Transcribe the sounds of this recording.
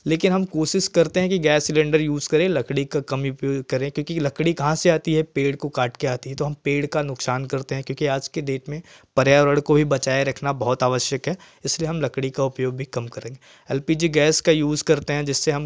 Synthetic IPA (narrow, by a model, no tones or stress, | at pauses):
leːkɪnɦɐmkoːʃɪʃkɐɾt̪eɦɛ̃kiɡɛːsːɪlɛ̃ɳɖəɾjuːzkɐɾẽlɐkɽikakɐmʊpjoːɡkɐɾẽkjõːkilɐkɽikɐɦãseaːt̪iɦɛpeːɽkokaːʈkeaːt̪iɦɛt̪oɦɐmpeːɽkanʊksaːnkɐɾt̪eɦɛ̃kjõːkiaːd͡ʒked̪eːʈmẽpɐɾjaɔːɾɐɽkobʱibɐt͡ʃaːeɾɐkʰnabɐɦɔt̪aːʋəʃjəkɦɛ | ɪslieɦɐmlɐkɽikaʊpjoːɡ̚bʱikɐmkɐɾẽːŋɡeː | ɛːlpiːd͡ʒiɡɛːskajuːzkɐɾt̪eɦɛ̃d͡ʒɪsːeɦɐm